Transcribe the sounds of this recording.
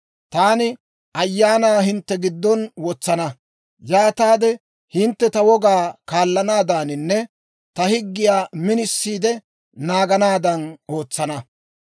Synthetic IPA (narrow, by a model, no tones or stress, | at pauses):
t̪aːnɪ | ʔɐjːaːnaːɦɪnt̪ːɛɡɪd̪ːɔnwɔt͡sːɐnɐ | jaːt̪aːd̪ɛ | hɪnt̪ːɛt̪ɐwɔɡaːkaːlːɐnaːd̪aːnɪnːɛ | t̪ɐhɪɡːɪjaːmɪnɪsːiːd̪ɛ | naːɡɐnaːd̪ɐno̞ːt͡sːɐnɐ